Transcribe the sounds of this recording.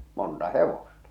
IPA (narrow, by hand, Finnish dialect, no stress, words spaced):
montɑ heʋostɑ